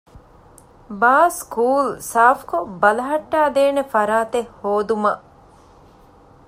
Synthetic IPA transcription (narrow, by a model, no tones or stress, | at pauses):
baːskuːlsaːfkobɐlɐɦɐʈːaːd̪eːnefɐɾaːt̪ehhoːd̪umɐʔ